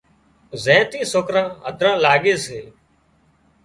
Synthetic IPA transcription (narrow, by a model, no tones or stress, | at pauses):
zẽːt̪ĩːsoːkɾãːɦəd̪ʱɾãːlaːɠeːseː